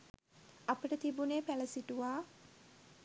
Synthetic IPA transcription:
apəʈət̪ibuneːpæləsiʈuʋaː

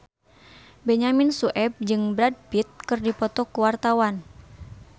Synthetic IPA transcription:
beɲaminsuʔɛb̚d͡ʒɨŋbɾad̚bit̪̚kɨrdipɔt̪ɔkuwart̪awan

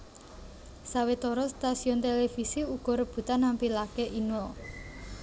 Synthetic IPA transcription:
sawet̪ɔɾɔst̪asiɔnt̪elefisiuɡ̥ɔ̤ɾəb̥ṳt̪anːampilakeʔinɔl

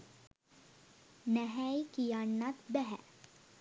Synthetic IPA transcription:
nɛɦɛjkijaːnːat̪bɛɦɛ̰

